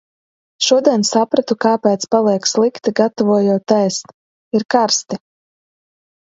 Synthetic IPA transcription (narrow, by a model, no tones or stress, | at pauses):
ʃuɔd̪iɛnsapɾat̪ukaːpɛːt̪spalˠiɛkslˠikt̪iɡat̪ɔvuɔjuɔt̪ːɛjst̪ | iɾkaɾst̪i